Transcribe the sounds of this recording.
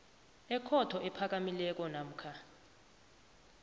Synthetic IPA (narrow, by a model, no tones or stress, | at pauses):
ɛkʰɔtʰɔʔɛpʰak̬ʼamilɛk̬ʼɔnam̩kʰa